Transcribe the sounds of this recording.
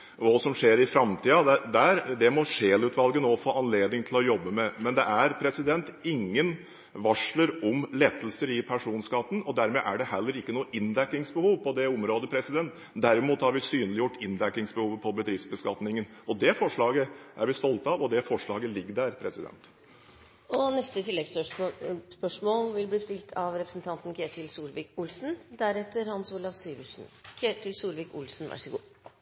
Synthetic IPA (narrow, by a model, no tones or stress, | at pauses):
ɔsɔmʂeːɾɪfɾɑmt̪ʰiːɑd̪æd̪æɾd̪ɛmɔʂeːlʉːt̪ʰʋɑlɡənoːfoːʔɑnleːd̪nɪŋt̪ʰɪlɔjɔbːəmɛmɛnd̪ɛʔæɾpʰɾɛsɪd̪ɛnt̪ɪŋːən | ʋɑʂləɾɔmleːt̪əlsəɾɪpʰæʂuːnskɑt̪ːn̩ɔd̪æɾmɛʔæɖɛɦɛlːəɾɪkːənuːəʔɪnlækːɪŋsbəhuːʋpʰɔd̪ɛʊmɾoːd̪əpʰɾɛsɪd̪ɛnt̪ | d̪æɾɪmuːt̪hɑɾʋɪsyːnlɪjʊʈːɪnlækːɪŋsbəhuːʋəpʰɔbəd̪ɾɪfsbəskɑt̪nɪŋənɔd̪ɛfɔʂɭɑːɡəʔæɾʋɪst̪ɔlt̪ɑʋɔd̪ɛfɔʂɭɑːɡəlɪɡːəɖæɾpʰɾɛsɪd̪ɛ̰nt̪ | ɔnɛst̪ət̪ʰɪlːɛɡs | spœʂmoːlʋɪlbliːst̪ɪlt̪ʰɑʋɾɛpɾəsn̩t̪ʰɑnt̪n̩kʰɾeːt̪ʰɪlsuːlʋiːkʊlsn̩d̪æɾɛt̪ːəɾhɑnsuːlɑʋsyːʋəʂkʰeːt̪ʰɪlsuːlʋiːkʊlsn̩ʋæ̰ʂəɡṵː